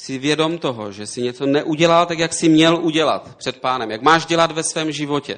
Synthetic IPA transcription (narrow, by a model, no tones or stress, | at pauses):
sɪvjɛdo̞mt̪oɦo̰ʒɛsɪɲɛt͡sonɛʔuɟɛlalt̪akjaksɪmɲɛlʔuɟɛla̰t̪pr̝̥ɛt̪̚paːnɛmjakmaːʒɟɛlat̪vɛsvɛːmʒɪvo̞cɛ̰